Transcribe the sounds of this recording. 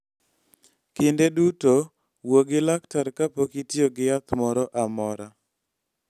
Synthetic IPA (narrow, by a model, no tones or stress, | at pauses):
kɪndeduto | woɡɪlaktaɾkapokitɪoɡɪjat̪mɔɾɔʔamɔɾa